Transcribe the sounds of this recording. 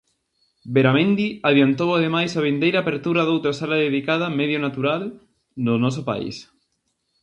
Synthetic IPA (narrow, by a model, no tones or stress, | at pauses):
beɾamẽnd̪iaðjant̪owaðemajsaβ̞end̪ejɾaːpeɾt̪uɾaðowt̪ɾasalaðeðikað̞ameðjonat̪uɾal | nonɔs̬opa̰ḭs